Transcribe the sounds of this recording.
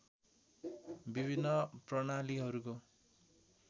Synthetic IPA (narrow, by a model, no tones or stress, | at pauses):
bibʱinːʌprʌɽaliɦʌɾuko